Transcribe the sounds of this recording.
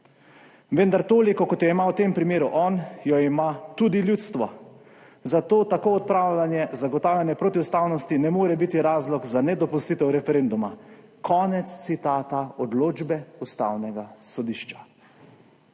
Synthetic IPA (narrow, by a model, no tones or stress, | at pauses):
ʋənd̪aɾt̪oːlikɔkɔt̪jɔimawt̪eːmpɾimeːɾuʔɔːnjɔimat̪ud̪iljuːt̪st̪ʋɔ̰ | zat̪oːt̪akoːɔt̪̚pɾaːwlʲanjɛzaɡɔt̪aːwlʲjanjɛpɾot̪iust̪awnɔst̪inɛmoːɾɛbit̪iɾaːzlɔkzanɛd̪ɔpust̪iːt̪ɛwɾɛfɛɾend̪umakʰɔːnɛt̪st̪sit̪aːt̪aɔd̪loːd͡ʒbɛust̪a̰wnɛɡasɔd̪iːʃt͡ʃḁ